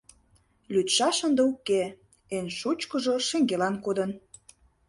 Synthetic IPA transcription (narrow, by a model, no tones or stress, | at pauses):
lʲyt̪ʃɑʃənd̪əuke | enʃut͡ɕkə̆ʒoʃĕŋɡelɑnkod̪ə̆n